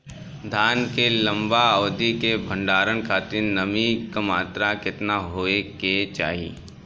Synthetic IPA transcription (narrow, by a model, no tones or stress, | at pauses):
d̪ʱaːnkelə̃mbaɔːd̪ikebʱə̃ɳɖaːɾənkʰaːt̪ɪɾnɐmikamaːt̪ɾakɪt̪naɦoːeket͡ʃa̰ːɦiḛː